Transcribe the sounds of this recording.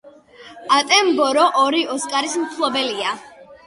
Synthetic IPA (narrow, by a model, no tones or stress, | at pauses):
at̪ʼɛmbɔɾɔʔɔɾiɔskʼaɾismt̪ʰlˠɔbɛlia